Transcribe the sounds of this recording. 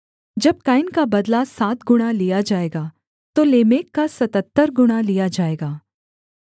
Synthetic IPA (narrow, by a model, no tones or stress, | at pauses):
d͡ʒɐb̚kaːɪnkabɐd̪lasaːt̪ɡʊɽ̃alijad͡ʒaːeːɡaː | t̪oleːmeːkːasɐt̪ət̪ːəɾɡʊɽ̃alijad͡ʒaːeːɡaː